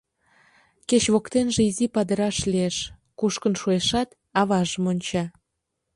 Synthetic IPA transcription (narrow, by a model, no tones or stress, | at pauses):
ket͡ɕβokt̪enʒeizipɑd̪ə̆ɾɑʃlieʃ | kuʃkənʃueʃɑt̪ | ɑβɑʒəmonʲt͡ɕɑ